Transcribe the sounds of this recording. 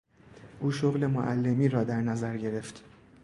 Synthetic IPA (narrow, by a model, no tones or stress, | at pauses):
ʔuːʃoɣle̞moʔælːe̞miːɾɒːd̪æɾnæzæɾɟe̞ɾe̞ft̪